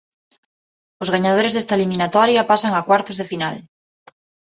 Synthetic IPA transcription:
ozɣaɲað̞oɾezðest̪aelimĩnat̪ɔɾjapasaŋakwaɾt̪ozðefinal

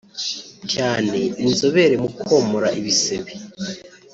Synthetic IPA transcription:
caːne̞inzo̞βe̞ɾemukʰomoɾaʔiβise̞βe

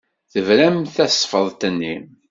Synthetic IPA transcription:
θəvɾæmθæsˤfəðˤt̪ənːim

